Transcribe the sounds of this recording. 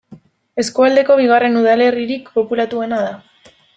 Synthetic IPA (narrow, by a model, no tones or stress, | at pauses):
e̞skuald̪e̞ko̞β̞iɣ̞are̞nuð̞ale̞riɾikpo̞pulat̪ue̞naða